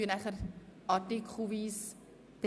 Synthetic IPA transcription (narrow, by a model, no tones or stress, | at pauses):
iənæχərʔɑtikχuvis | t̪